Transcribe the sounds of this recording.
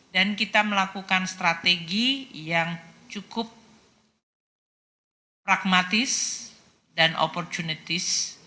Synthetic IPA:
dankit̪aməlakukanst̪ɾat̪eɡijaŋt͡ʃukʊp̚ | pɾaɡ̚mat̪ɪs | danʔo̰pɔrt͡ʃunit̪ɪs

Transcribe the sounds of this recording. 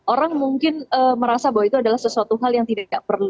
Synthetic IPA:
ʔoɾaŋmuŋkɪnəməɾasabawait̪uadalahsəsuat̪uɦaljaŋt̪idaaʔ̚pərlu

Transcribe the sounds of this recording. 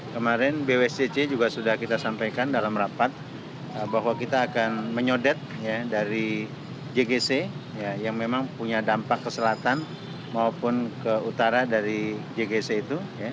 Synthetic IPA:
kəmaɾɛnbewɛsd͡ʒet͡ʃed͡ʒuɡasudahkit̪asampajkandalamrapat̪̚ | əbaɦwakit̪aːkanməɲodɛt̪̚jadaɾi | d͡ʒeɡesejajaŋmemaŋpuɲadampakːəsəlat̪an | maopʊnkəut̪aɾadaɾid͡ʒeɡeseit̪uja

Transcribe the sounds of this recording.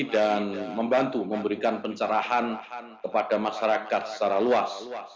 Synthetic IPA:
danməmbant̪uməmbəɾikanpəɲt͡ʃəɾahan | kəpadamaʃaɾakat̪sə̥t͡ʃaɾaluas

